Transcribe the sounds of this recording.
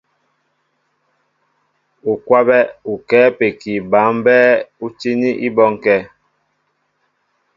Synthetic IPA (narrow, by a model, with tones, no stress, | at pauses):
u˨kwa˦bɛ˦u˨kɛː˨˦pe˨ki˨ba˨˦mbɛ˦u˦t͡ʃi˦ni˦ʔḭ˦bɔ˦ŋkɛ˦